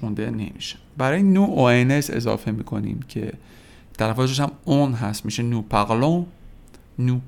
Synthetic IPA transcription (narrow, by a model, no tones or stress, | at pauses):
und̪ene̞̰mḭʃe̥bæɾɒːjenuʔoenese̞̰zɒ̰ːfe̞miːkʰo̞̰nḭːmcʰe̞̰ | t̪ʰælæfɒːt̪̬eʃ̬æmonɦæst̪miːʃenuːpʰæɣlo | nu